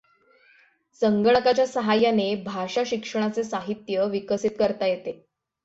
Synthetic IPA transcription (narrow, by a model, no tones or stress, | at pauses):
səŋɡəɳəkat͡ɕjasəɦajanebʱaʂaɕikʂəɳ̃at͡sesaɦit̪jəʋikəsit̪kəɾt̪ajet̪e